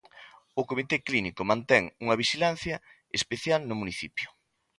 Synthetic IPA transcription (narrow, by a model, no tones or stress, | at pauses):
ʊkomit̪eklinikomãnt̪ɛŋuŋɐβ̞iʃilan̟θjɐ | espeθjalnʊmuniθipjʊ̥